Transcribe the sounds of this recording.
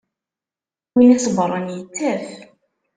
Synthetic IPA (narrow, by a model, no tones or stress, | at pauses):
winæsbrˤɑnjət͡sːæf